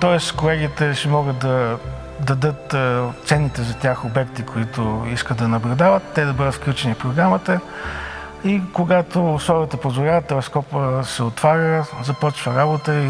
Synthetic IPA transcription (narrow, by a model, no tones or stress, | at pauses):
t̪ɔɛskolɛɡit̪ɛʃɛmɔɡət̪d̪ɐ | d̪ɐd̪ɤt̪ːt̪sɛnit̪ɛzɐt̪ʲaxobɛk̚t̪ikʰoit̪ʊiskət̪d̪ɐnɐblʲʊd̪avət̪ːɛd̪ɐbɤd̪ət̪fklʲut͡ʃɛnifpɾoɡɾamət̪ə | ikoɡat̪osˠɔɡət̪əpozvʊlʲavət̪ːɛlɛskɔpəsɛot̪vaɾəzɐpɔt͡ʃvəɾabot̪əi